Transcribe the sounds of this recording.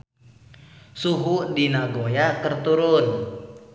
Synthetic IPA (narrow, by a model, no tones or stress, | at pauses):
suɦudinaɡojakərt̪uɾʊn